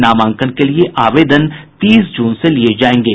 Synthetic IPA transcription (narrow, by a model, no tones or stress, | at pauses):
naːmãːŋkənkelieʔaːʋeːd̪ənt̪iːsd͡ʒuːnselied͡ʒaːẽːŋɡeː